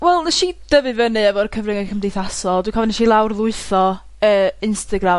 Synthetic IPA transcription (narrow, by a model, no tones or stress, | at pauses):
wɛlˠnɛʃid̥əvɨvənɨɛvɔrkʰəvrɪŋɛkʰəmdejθasɔlˠdwikʰɔvɔniʃilˠawrðˠʊɨθɔ | əːɪnstaɡra